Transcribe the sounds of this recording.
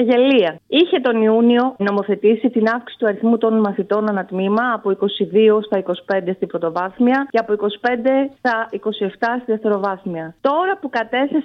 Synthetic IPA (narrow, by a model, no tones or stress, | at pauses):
ɐʝe̞liɐiçe̞t̪o̞niunio̞no̞mo̞θe̞t̪isit̪inɐfksi̥si̥t̪uɐɾiθmut̪o̞nmɐθit̪o̞nɐnɐt̪mimɐːpoiko̞siðiost̪ɐiko̞si̥pe̞nd̪e̞st̪ibɾo̞t̪o̞vɐθmiɐceɐpoiko̞si̥pe̞nd̪e̞st̪ɐiko̞sie̞ft̪ɐst̪iðeft̪e̞ɾo̞vɐθmiɐt̪o̞ɾɐpukɐt̪e̞θes